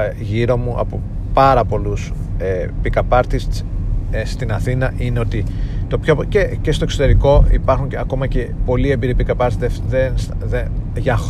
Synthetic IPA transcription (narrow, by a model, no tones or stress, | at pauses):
ʝiɾo̞muʔɐ̰po | pɐɾɐpo̞lusepikɐpɐɾt̪isest̪inɐθinɐʔineo̞t̪it̪o̞pçocece̞st̪oekso̞t̪e̞ɾiko̞ipɐɾxuɲɐko̞mɐce̞po̞lie̞mbiɾipikɐpɐɾt̪ieðensðeʝɐx